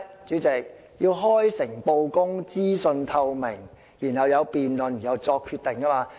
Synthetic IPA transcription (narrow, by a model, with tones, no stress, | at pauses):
t͡ʃyː˨˥t͡sɪ˨k̚ | jiː˧wɦɔː˥jsɪ˨˩ŋpo˧wkʊ˥ŋt͡siː˥sɵ˧nt̪ʰɐ˧wmɪ˨˩ŋ | jiː˨˩nhɐ˨wjɐ˨˧wpiː˨nlɵ˨n˨jɐ˨˧wt͡sɔː˧kʰːyː˧t̪ɪ˨˩ŋkaː˥maː˧